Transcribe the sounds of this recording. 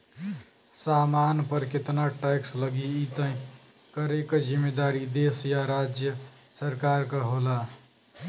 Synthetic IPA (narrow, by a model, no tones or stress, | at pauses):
saːmanpəɾkɪt̪naʈɛksləɡiit̪ə̃ĩ | kəɾekd͡ʒimːed̪aɾid̪esjaɾad͡ʒjə | səɾkaːɾkəɦoːla